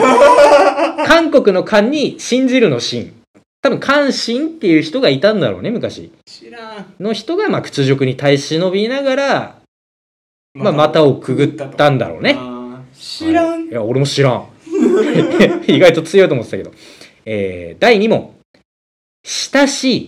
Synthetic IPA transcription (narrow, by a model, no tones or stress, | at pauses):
kʰãŋko̞kɯ̟no̞kʰãɲ̟ːiɕĩɲ̟d͡ʑiɾɯ̟no̞ɕḭ̃ɴ | t̪abɯ̟̃ŋkʰãɰ̃ɕĩnt̪ːe̞jɯ̟çi̥t̪o̞ɡait̪ãnd̪a̰ɾo̞̰ːne̞mɯ̟kaɕḭ | no̞çi̥t̪o̞ɡamakɯ̟̥t͡sɨʑo̞kɯ̟ɲ̟it̪aiɕino̞bʲinaɡaɾa | mamat̪ao̞kɯ̟ɡɯ̟t̪ːãnd̪a̰ɾo̞̰ːne̞ | jao̞ɾe̞mo̞ɕiɾã̰ | iɡait̪o̞t͡sɨjo̞it̪omt̪ːet̪ːaked̪o̞̰ | ḛːd̪aiɲ̟imõ̞̰ | ɕi̥t̪aɕi